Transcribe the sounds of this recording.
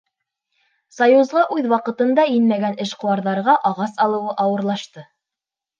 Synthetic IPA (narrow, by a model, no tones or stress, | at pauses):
sɐjuzʁɑʔʉðwɑqɤ̆t̪ɤ̆nd̪ɑjɘnmæɡænʔɘʃqŏwɑɾðɑɾʁɑʔɑʁɑsɑlˠɤ̆wɤʔɑwɤ̆ɾlˠɑʃt̪ɤ